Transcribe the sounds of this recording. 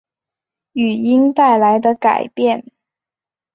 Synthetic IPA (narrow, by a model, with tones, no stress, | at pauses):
y˨˩i˥ŋt̪a˥˩ɪla˧˥ɪd̪ə˧ka̰˨˩ɪpjɛ˥˩n